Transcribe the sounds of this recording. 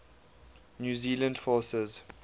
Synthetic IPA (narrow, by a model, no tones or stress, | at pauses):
njuːziːlə̃ndfɔːsəz̥